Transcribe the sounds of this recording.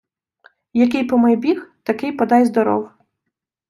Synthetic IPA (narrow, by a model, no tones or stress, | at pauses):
jɐkɪjpɔmɐjbʲixt̪ɐkɪjpɐd̪ɑjzd̪ɔɾɔ̰w